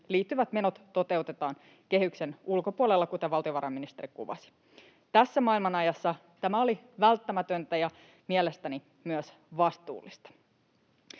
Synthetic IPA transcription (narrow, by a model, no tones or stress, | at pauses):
liːt̪ːyʋæt̪me̞no̞t̪ːo̞t̪e̞ut̪e̞t̪ɑːn | ke̞ɦykse̞nulko̞puolelːɑkut̪eʋɑlt̪io̞ʋɑɾɑmːinist̪eɾikṵʋɑ̰si̥ | t̪æsːæmɑilmɑnɑjɑsːɑ | t̪æmæo̞liʋælt̪ːæmæt̪ønt̪æjɑ | miele̞st̪æni | myøs | ʋɑst̪ṵːlːist̪ɑ̥